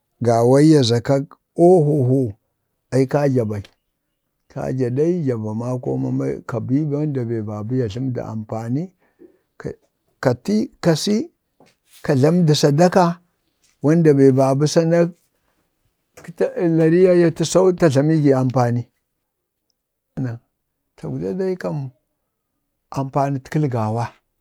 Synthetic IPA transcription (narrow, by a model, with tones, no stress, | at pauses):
ɡa˨wa˦i˦ja˨za˨ka˦ | o˦ɦo˨ɦo˦ | a˨i˦ka˦d͡ʒa˨ba˨i˨ | kʰa̰˦d͡ʒa˨ɗa˦i˦d͡ʒa˨ba˨ma˦ko̰˦ma̰˨ma̰˦ka˨bi˦ba˦nda˨be˨ba˨bu˦ja˨ɬa˦mda̰˨ʔa̰˨mpa˨ni˦ | k | ka˨ti˦ka˨si˦ | ka˨ɮa˦mda˨sa˨da˦ka˦ | wa˦nda˨be˨ba˨bu˦sa˦na˦˨˦ | la˨ɾi˦ja˦ja˦ti˦sa˦u˦ta˨ɮa˨mi˦ɡi˨a˨mpa˨ni˦˨ | na˨ | tʰa˨ɡu˨da˦da˦i˦ka˦m | a˨mpa˨ni˦ti˦lɡa˨wa˦